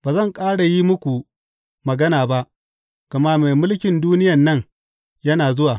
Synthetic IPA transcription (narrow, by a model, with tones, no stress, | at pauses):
baː˨zɐ˦˨ŋkʼaː˦ɽa˨ji˦mʊ˦kʷu˨ | mɐ˨ɡɐ˦naː˨ba˦ʔ | kɐ˨maː˦me˨jmʊ˦lkʲɪ˨nduː˦nɪ˦jɐ˨nːɐ˦ŋ | jɐ˦naː˨zʊ˦waː˨